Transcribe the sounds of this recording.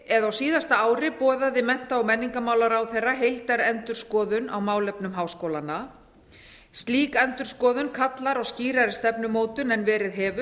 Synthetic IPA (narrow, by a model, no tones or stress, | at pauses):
ɛðawsiːðast̪aaːwɾɪpɔːðaðɪmɛn̥t̪aawmɛnːiŋkamaːwlaɾawθejrːaɦejlt̪aɾɛnt̪ʏɾ̥skɔːðʏnawmaːwlɛpnʏmɦaːwskowlanːa | st̪liːkɛnt̪ʏɾ̥skɔːðʏnkʰat̪laɾawsciːɾaɾɪ̥st̪ɛpnʏmoːwt̪ʏnɛnvɛːɾɪðɦɛːvʏ